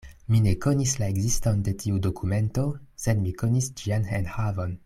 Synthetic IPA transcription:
mine̞konislaeɡzistonde̞tʰiudokʰume̞nto̞sedmikonisd͡ʒianenhavon

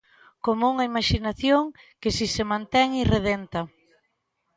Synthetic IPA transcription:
komouŋaimaʃinaθjoŋ | kesisemãnt̪ɛŋireðent̪ɐ

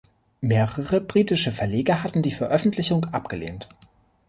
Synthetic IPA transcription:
meːʁəʁəbʁiːtɪʃəfɛɐleːɡɐɦatn̩diːfɛɐʔœfn̩tʰlɪçʊŋʔap̚ɡ̥əlḛːnt

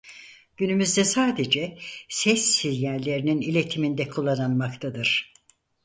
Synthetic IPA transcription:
ɟ̥ynymyzd̪ɛsaːd̪ed͡ʒɛsɛsːizjæɾlʲe̞ɾininilʲe̞t̪ʰimind̪ɛkʰulˠːananmakt̪ʰad̪ɯɾ̥

